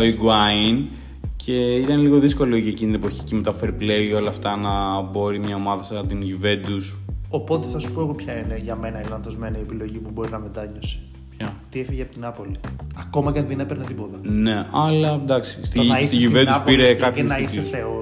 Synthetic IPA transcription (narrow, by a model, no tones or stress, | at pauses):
oiɡuɐin | cʰe̞it̪ɐneliɣo̞ðisko̞liocieciniepoçi̥ceme̞t̪ɐfe̞ɾiple̞o̞lɐːft̪ɐnɐbo̞ɾimɲɐo̞mɐðɐsɐt̪inʝuve̞d̪uso̞po̞t̪e̞θɐsu̥po̞eɣo̞pçɐineʝɐme̞nɐilɐnðozme̞nɐiepilo̞ʝimubo̞ɾinɐmed̪ɐɲosi̥ | pçɐt̪iefiʝeɐpot̪inɐpoliɐko̞mɐcɐnðenepeɾnɐt̪ipoðɐne̞ɐlɐd̪ɐksi̥st̪iisiʝuve̞nd̪upiɾekɐpsnɐiseθeo